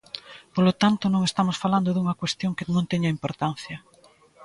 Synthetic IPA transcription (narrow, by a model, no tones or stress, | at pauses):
polot̪ant̪ʊnõŋest̪amʊsfaland̪oðuŋɐkwest̪joŋkɪnõnt̪ɛɲɐimpoɾt̪an̟θjɐ